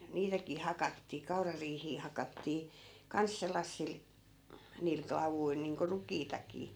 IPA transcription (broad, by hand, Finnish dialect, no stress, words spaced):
niːtækiː hɑkɑtːiː kɑurɑriːhiː hɑkɑtːiː kɑns selːɑsːil niːl klɑʋuil niːŋko rukiːtɑkiː